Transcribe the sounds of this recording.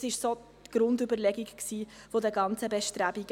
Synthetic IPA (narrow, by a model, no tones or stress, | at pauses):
sɪʃso | tɡ̥ɾʊndybəɾlɛɡiɡksiːfod̪əɡɑnt͡səbɛʃtɾæbiɡ